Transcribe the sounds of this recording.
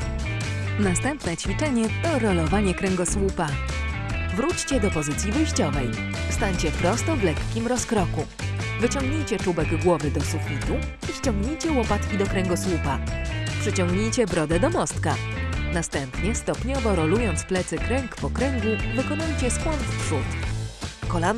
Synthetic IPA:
nast̪ɛmpnɛt͡ɕfʲit͡ʂɛɲɛt̪ɔɾɔlɔvaɲɛkɾɛŋɡɔswupa | vɾut͡ɕt͡ɕɛd̪ɔpɔzɘt̪sʲjivɘjɕt͡ɕɔvɛj | st̪aɲt͡ɕɛpɾɔst̪ɔvlɛkːʲimɾɔskɾɔku | vɘt͡ɕɔ̃ŋɡɲejt͡ɕɛt͡ʂubɛɡɡwɔvɘd̪ɔsufʲit̪u | iɕt͡ɕɔ̃ŋɡɲejt͡ɕɛwɔpat̪kʲid̪ɔkɾɛŋɡɔswupapʂɘt͡ɕɔŋɡɲejt͡ɕɛbɾɔd̪ɛd̪ɔmɔst̪kanast̪ɛmpɲɛst̪ɔpɲɔvɔɾɔlujɔnt̪splɛt̪sɘkɾɛŋkpɔkɾɛŋɡuvɘkɔnujt͡ɕɛskwɔnfpʂut̪ | kɔlan

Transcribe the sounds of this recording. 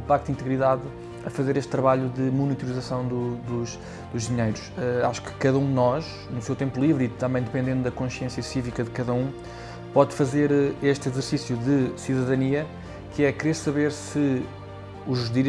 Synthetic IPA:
pak̚t̪d̪ĩnt̪ɨɣɾiðað | ɐfɐzeɾeʃt̪ːɾɐβaʎuðɨmunit̪uɾizɐsɐ̃w̃d̪ud̪uʃ | d̪uʒðiɲejɾuʃɛaʃu̥kɨ̥kɐðɐũd̪ɨnɔʃ | nusewt̪ẽmpulˠivɾit̪ɐ̃mbɐ̃j̃d̪ɨpẽnd̪ẽnd̪ud̪ɐkõʃjẽsjɐsivikɐðɨkɐðɐũ | pɔðfɐzeɾeʃt̪izɨɾsisjuðɨsiðɐðɐniɐ | kɨɛkɾeɾsɐβeɾsɨ | uʒðiɾ

